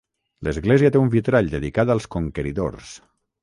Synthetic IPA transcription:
ləzɣleziət̪eumbit̪ɾaʎd̪əðikaðalˠskoŋkəɾiðo̰rs

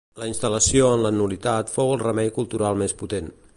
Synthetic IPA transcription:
ləinst̪ələsioənlənulit̪at̪fowəlˠrəmɛjkulˠt̪uɾalˠmesput̪en

